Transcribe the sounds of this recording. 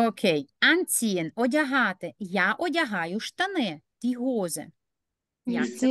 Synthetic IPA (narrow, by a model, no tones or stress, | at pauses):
okʲʰejɐnt͡sʲiɛnɔdʲɐɦɑt̪ɪjaʔɔdʲɐɦɑjʊʃt̪ɐnɛt̪ʲiɦɔzɐ̰ | jaɛ